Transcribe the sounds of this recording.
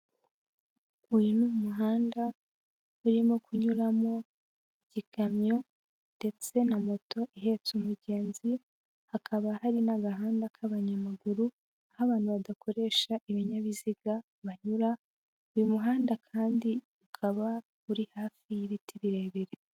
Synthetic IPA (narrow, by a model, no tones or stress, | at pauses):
ujunumuɦaːnda | uɾimo̞kʰuɲuɾamo̞ | iɟiɡamɲo̞ | nde̞t͡se̞namo̞to̞ʔiɦe̞t͡sumuɟe̞ːnzi | hakʰaβahaɾinaɡaɦaːndakʰaβaɲamaɡuɾu | ahaβaːn̥huβadakʰo̞ɾe̞ːʃaʔiβiɲaβiziɡa | βaɲuɾa | ujumuɦaːndakʰaːndi | ukʰaβa | uɾihaːfijiβitʰiβiɾeβiɾe